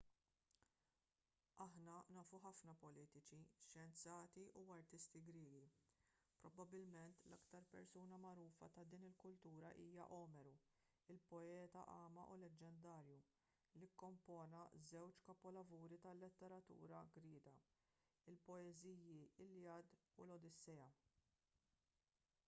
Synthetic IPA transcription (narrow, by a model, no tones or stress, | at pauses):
ɐħnɐnɐːfuħɐfnɐpɔliːt̪ɪt͡ʃiʃjɛnt͡sɐːt̪iʔuɐɾt̪ɪst̪iɡɾɪːɡipɾɔbɐbːɪlmɛnt̪lɐkt̪ɐɾpɛɾsuːnɐmɐɾuːfɐ̰t̪ɐd̪iːnɪlkʊlt̪uːɾɐʔiːjɐ̰ʔɔːmɛɾu | ɪlpɔɛːt̪ɐ̰ʔɐːmɐʔulɛd͡ʒːɛnd̪ɐːɾju | likːɔmpɔːnɐzɛwt͡ʃkɐpɔlɐvuːɾit̪ɐlːɪt̪ːɛɾɐt̪ṵːɾɐɡɾɪːd̪ɐ | ɪlpɔɛziːjiɪlːjɐːd̪ulɔd̪ɪsːɛɐ